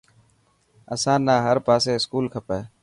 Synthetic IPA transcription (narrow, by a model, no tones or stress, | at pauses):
əsãːnãːɦəɾpaːseːɪskuːlkʰəpeː